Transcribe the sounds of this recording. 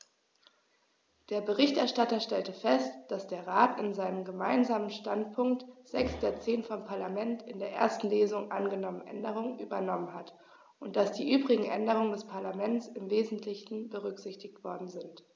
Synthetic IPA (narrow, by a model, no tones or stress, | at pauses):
d̥eːɐbəʁɪçtʔɛɐʃtatɐʃtɛltəfɛstd̥asd̥eːɐʁaːtɪnzaɪnəmɡəmaɪnzaːmənʃtantpʰʊŋk̚tz̥ɛksd̥eːɐt͡seːnfɔmpʰaɐlamɛntɪndeːɐʔḛːɐstn̩leːzʊŋʔanɡənɔmənʔɛ̰ndəʁ̞ʊŋənʔyːbɐnɔmənɦat | ʔʊnt̚d̥asd̥iːʔyːbʁɪɡŋ̩ʔɛ̰ndəʁ̞ʊŋəndɛspʰaɐlamɛnt͡sɪmveːzn̩tʰlɪçn̩bəʁ̞ʏkz̥ɪçtɪçtv̥ɔɐdn̩zɪnt